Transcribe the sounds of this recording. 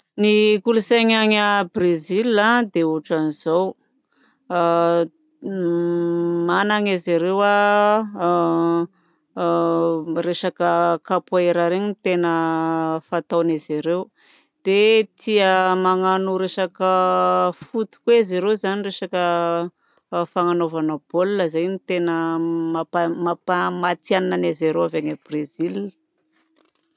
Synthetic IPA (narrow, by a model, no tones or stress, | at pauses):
nikulusaɲaɲabrezilːad̪euʈ͡ʂanizow | manaŋeziɾewa | reʃakəkapaeɾaɾeɲint̪enəfat̪awniziɾew | d̪̥et̪ʰiəmaŋanuɾeʃakəfut̪u̥kwezeɾewzanireʃakə | faŋanovanəb̥olːəzajnit̪enəmaamapamat̪ianananezeɾewavaɲebrezil